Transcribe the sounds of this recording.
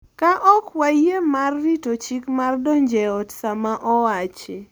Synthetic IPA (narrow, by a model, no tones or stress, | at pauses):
kaʔɔkwajemarːitot͡ʃikmardɔɲd͡ʒɛɔtsamaʔɔwat͡ʃe